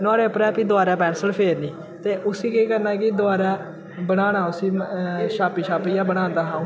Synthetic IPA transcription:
nʊaːɽeːpɾɛːpiːd̪ʊaːɾaːpɛːnsəlpʰeːɾniː | t̪eːʔʊsiːkeːkəɾnaːkɪd̪ʊaːɾaː | bəɽaːnaːʊsĩːʃaːpiːʃaːpiːjaːbəɽ̃ãːnd̪aːɦãːũː

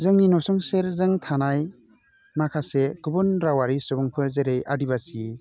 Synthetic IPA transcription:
zɯŋninɔsɔŋseɾzɯŋtʰanaj | makʰasekɯbɯnɾawaɾisɯbɔŋpʰɯɾzeɾejʔadibasi

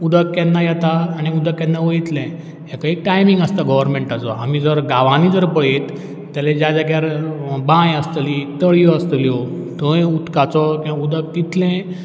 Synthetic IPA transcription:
ud̪ʱəkːɛnːajɛt̪aːñiud̪əkːɛnːaʋəit̪lɛ̃ | ɦɛ̃kaik̚ʈajmiŋɡast̪aɡəʋəɾmẽɳʈat͡sɔ̰am̤id͡zəɾɡaʋañid͡zəɾpəɭet̪ː | alẽd͡ʑad͡ʑaɡjaɾbãjəst̪lit̪əɭjɔəst̪əljɔ | t̪õjut̪kat͡sɔkiaud̪ək̚t̪it̪lɛ̃

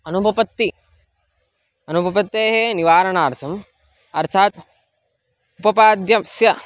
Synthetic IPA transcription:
ɐnubʱɐpɐt̪ːi | ɐnubʱɐpɐt̪ːeːɦeːniʋaːɾɐɳaːɾt̪ʰɐm | ɐɾt̪ʰaːt̪ | upɐpaːd̪jɐmsjɐ

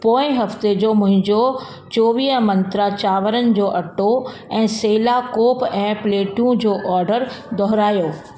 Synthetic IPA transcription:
poːɪ̃ɦɐft̪ed͡ʑoːmʊ̃ɦɪ̃ɲd͡ʑo | t͡ɕoːʋiːɦəmɐ̃nt̪ɾat͡ɕaːʋəɾənɪ̆d͡ʑoːʔɐʈoɛ̃ːseːlakoːpɛ̃ːpleːʈjũd͡ʑoːʔɔːɾɖəɾd̪ʱɔɦɾaːjoː

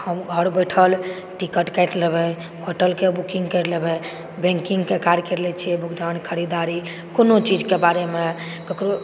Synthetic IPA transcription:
həmɡʱəɾbəʈʰəl | ʈikəʈkɛɪʈ̪lebɛ | ɦoʈəlkebukĩŋɡkɛʈlebɛ | bẽŋkĩŋɡkekaɾkɛɾlɛt͡ʃʰijɛbʱukd̪ankʰəɾid̪aɾi | konot͡ʃid͡ʒkebaɾeme | kəkɾo

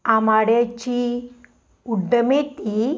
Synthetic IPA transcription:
amaɽjat͡ɕi | uɖəmet̪i

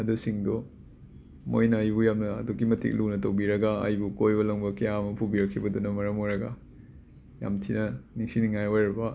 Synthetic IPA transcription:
ɐdusiŋdɔ | mojnɐːjbujamnɐɐ̰dukimɐtʰḭk̚lunɐtɐwbiɾɐɡaɐ̰jbukojbɐlɐŋbɐkejamɐpʰubiɾɐkʰːibɐdunɐmɐɾɐmojɾɐɡa̰ | ja̰mtʰinɐniŋsiniŋajojɾɐbɐ

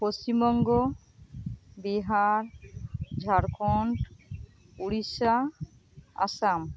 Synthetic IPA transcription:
post͡ɕimbɔŋɡɔ | biɦaɾd͡ʒʱaɾkʰɔɳʈ | uɽisa | a̰sam

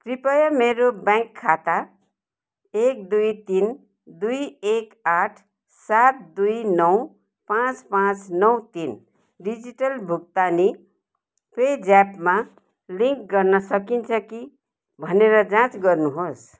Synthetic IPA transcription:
kɾipʌjʌmeɾobãŋkʰːat̪a | ek̚d̪ujt̪in | d̪ujekaʈʰ | sat̪̚d̪ujnʌw | pãt͡spãt͡snʌwt̪in | ɖid͡ziʈʌlbʱuk̚t̪ani | ped͡zapma | liŋkɡʌɾnʌsʌkint͡sʰʌki | bʱʌneɾʌd͡zãt͡sɡʌɾnuɦos

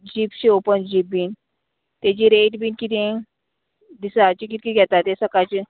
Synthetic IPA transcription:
d͡ʑiːpɕiopənd͡ʑip̚biːn | t̪et͡ɕiɾeʈbiːnkit̪ẽ | d̪isat͡ɕik̬it̪̚kiɡʱjɛt̪at̪esəkat͡ɕi

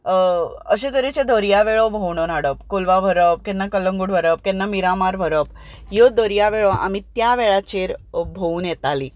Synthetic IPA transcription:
əɕed̪əɾit͡ɕẽd̪ʱəɾjaʋeɭɔbʱowɳonaɽəp̚kolʋabʱəɾəp̚kɛnnakəlːəŋɡuɽʋʱəɾəp̚kɛ̃nːamiɾamaɾbʱəɾəp | jod̪əɾijaʋeɭɔʔa̰mit̪jaʋeɭat͡ɕeɾbʱouːnjɛt̪ali

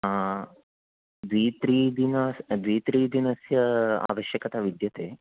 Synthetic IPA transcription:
a | d̪ʋiːt̪ɾiːd̪inɐsd̪ʋiːt̪ɾiːd̪inɐsjɐa̰ːʋɐʃjɐkɐt̪aʋid̪jɐt̪eː

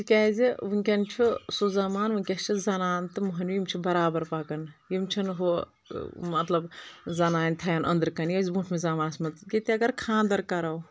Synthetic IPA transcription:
d͡ʒikʲaːziʋunʲkʲɐnt͡ʃʰusuzɐmaːnʋɐnʲkʲɐst͡ʃʰizɐnaːnt̪ɨmuɦɐnimt͡ʃʰibɐɾaːbɐɾpɐkɐnjimt͡ʃʰinɦo | mɐt̪lɐbzɐnaːnʲt̪ʰɐjɐnʔɐ̰nd̪ɾkɐnijɐzbuːʈʰmezɐmaːnsmɐt̪kit̪ʲiɐɡɐɾkʰãːnd̪ɐɾkɐɾɐw

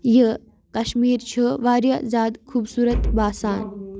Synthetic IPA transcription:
jə | kɐʃmiːɾt͡ʃʰuʋaːɾjazaːd̪kʰuːbsuːɾɐt̪baːsaːn

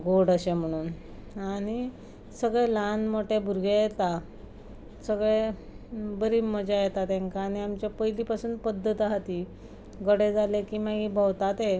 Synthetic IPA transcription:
ɡoɽəɕem̤əɽ̃uːn | aɽ̃i | səɡɭɛlanmoʈebʱuɾɡʱejet̪a | səɡɭe | bəɾiːməd͡ʑajet̪at̪ẽŋkaːɽ̃iamt͡ɕjapəjlipasuːnpəd̪ʱːət̪aɦt̪iː | ɡəɽed͡zalekiːmaɡibʱəwt̪at̪e

